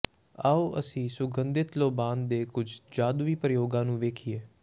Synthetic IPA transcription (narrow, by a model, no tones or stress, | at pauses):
aːuːʔəsĩːsʊɡənd̪ɪt̪loːbaːnd̪eːkʊd͡ʒʱd͡ʒaːd̪ʋiːpɾəjoːɡãːnũːʋeːkʰieː